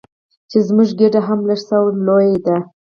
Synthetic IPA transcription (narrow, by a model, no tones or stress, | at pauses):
t͡ʃezmuʒɡeɖaɦamlaʂsawənlojad̪a